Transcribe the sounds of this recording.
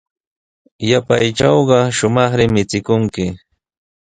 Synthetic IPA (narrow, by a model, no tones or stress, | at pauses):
japajʈ͡ʂɑwɢɑʃʊmɑχɾɪmɪt͡sɪkʊŋkɪ